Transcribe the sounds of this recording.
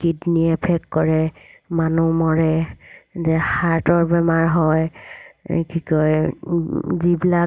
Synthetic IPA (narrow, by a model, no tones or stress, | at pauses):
kidniɛpʰɛkːɔɹɛmanumɔɹɛ | zɛxaɹtɔɹbɛmaɹɦɔj | kikɔj | zibila